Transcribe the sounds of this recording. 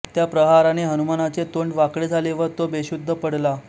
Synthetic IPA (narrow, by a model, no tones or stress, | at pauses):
t̪japɾəɦaɾaneɦənumanat͡set̪oɳɖʋakɽed͡zʱaleʋəɾt̪obeɕud̪ʱːəpəɽla